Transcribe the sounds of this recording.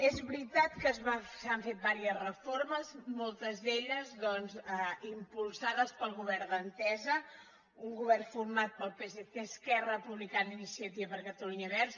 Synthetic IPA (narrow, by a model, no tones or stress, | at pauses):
ezβɾit̪at̪kəzβasaɱfet̪̚baɾiəzrəfoɾməzmɔlˠt̪əzðeʎəzðɔnzəimpulˠsaðəspəlˠɣuβɛɾðənt̪ɛzə | uŋɡuβɛrfuɾmat̪̚pəlˠpeseθeskɛrəpuβlikaninisiət̪iβəβəɾkət̪əluɲəβɛɾs